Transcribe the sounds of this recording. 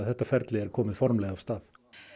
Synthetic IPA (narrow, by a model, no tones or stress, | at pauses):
ðɛt̪ːafɛɾd̪lɛɾkʰɔːmɪðfɔɾmlɛav̥st̪ɑːð